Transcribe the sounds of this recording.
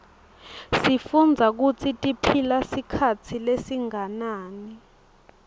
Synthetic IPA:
sifund͡zʱak̬ut͡sʰitʼipʰilasikʰat͡sʰilesiŋanaːni

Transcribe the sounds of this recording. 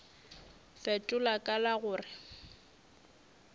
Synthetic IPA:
fɛtʼʊlakʼalaɣʊːrɪ

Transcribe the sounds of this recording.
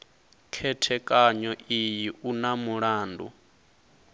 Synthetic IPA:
kʰɛtʰɛkʼaɲɔʔijiʔunamuɺaːndṵ

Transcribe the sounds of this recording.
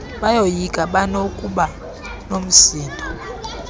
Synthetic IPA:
ɓajojikʼaɓanokʼuɓa | nom̩siːndʼʱɔ

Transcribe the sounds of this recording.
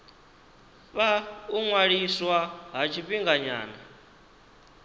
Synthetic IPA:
βauŋwaɺiswaɦat͡ʃʰiɸiŋɡaɲa̰ːna

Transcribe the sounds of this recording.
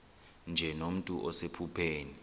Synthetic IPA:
nd͡ʒʱɛnom̩tʼuʔɔsepʰupʰeːni

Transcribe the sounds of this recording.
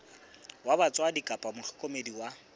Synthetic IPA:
wabat͡sʼwadikʼapʼamʊχʰɪkʼomediwa

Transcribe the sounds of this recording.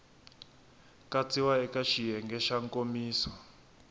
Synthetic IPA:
kat͡sʰʼiwaɛkaʃijɛŋɡɛʃaŋkomiːsɔ

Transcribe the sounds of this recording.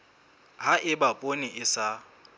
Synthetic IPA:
ɦaʔɪbapʼoniʔɪsa

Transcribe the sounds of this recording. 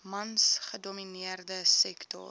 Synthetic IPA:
mɐnsχədominiərdəsɛktɔ̰

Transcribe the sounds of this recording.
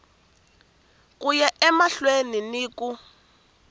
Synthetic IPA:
kujɛʔɛmaɬweniniːku

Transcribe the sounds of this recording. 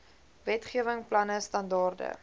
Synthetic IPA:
vɛtχiəvəŋplɐnəstɐndɑːrdə̰

